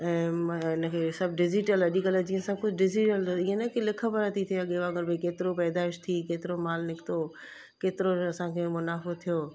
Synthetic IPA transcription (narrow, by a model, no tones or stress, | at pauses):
ɛ̃ːɪnəkʰeːsɐb̚ɖɪd͡ʒiʈəlɐɗikələd͡ʑiːə̃sɐb̚kʊd͡ʑɖɪd͡ʑiʈəliə̃nɛkilɪkʰəpəɾat̪ʰit̪ʰijaɠeːʋãɡəɾbʱikeːt̪ɪɾopɛːd̪aːɪʃt̪ʰikeːt̪ɪɾomaːlnɪkʰt̪o | keːt̪ɪɾoɐsãkʰeːmʊnaːfot̪ʰijoː